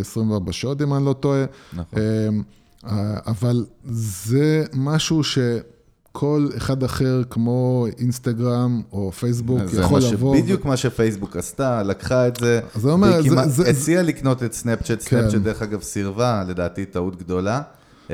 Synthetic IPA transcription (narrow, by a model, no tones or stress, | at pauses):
esʁimveaʁbaʃotimanlo̞toenm | avalzemaʃuʃe̞ | kʰo̞leχad̪aχe̞ʁkmo̞inst̪aɡʁamofejs̬bujaχolavoid̪jukmaʃefejsbukast̪alakχaetzeazeomeʁazeialikno̞t̪etsnept͡ʃetskept͡ʃed̪eeχaɡavsiʁvale̞d̪aːt̪it̪aut̪ɡd̪o̞la